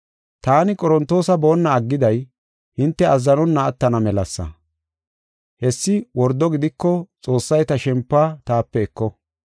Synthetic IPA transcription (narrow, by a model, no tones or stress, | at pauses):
t̪aːnɪkʼɔɾɔnt̪ːo̞ːsɐbo̞ːnːɐːɡːɪd̪ɐj | hɪnt̪ːɛɐzːɐnɔnːɐːt̪ːɐnɐmɛlɐsːɐ̰ | hɛsːɪwɔɾd̪ːɔɡɪd̪ɪkːɔt͡sʼo̞ːsːɐjt̪ɐʃɛmpːaːt̪aːpːɛɛkːɔ